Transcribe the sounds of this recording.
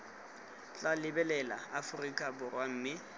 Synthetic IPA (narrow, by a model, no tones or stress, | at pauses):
t͡ɬʼalɪbɛlɛla̰afʊrikʼabʊrwam̩ːmɪ